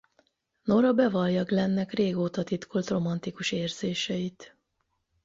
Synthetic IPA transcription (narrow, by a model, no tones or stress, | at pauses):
no̞ɾɒbɛvɒljɒɡlɛnːɛkreːɡoːt̪ɒt̪it̪kʰolt̪ro̞mɒnt̪ikuʃeːrz̥eːʃɛit̪